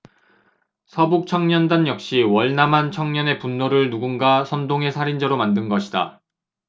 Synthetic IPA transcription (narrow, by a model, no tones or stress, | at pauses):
sʰʌbuk̚t͡ɕʰʌŋɲʌndanjʌk̚ɕ͈iwʌɭnamɦant͡ɕʰʌŋɲʌne̞punːoɾɯɭnuɡunɡasʰʌndoŋe̞sʰaɾind͡ʑaɾomandɯnɡʌɕʰida̰